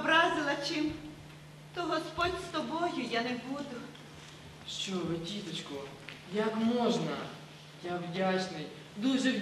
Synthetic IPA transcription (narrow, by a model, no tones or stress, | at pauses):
bɾɑzɪlˠɐt͡ʃɪm | t̪ɔɦɔspɔdʲst̪ɔbɔjʊjanɛbud̪ʊ | ʃt͡ʃɔʋɪtʲit̪ɔt͡ʃkʊ | jɐkmɔʒnɐ | jawdʲat͡ʃnɪj | d̪uʒɛw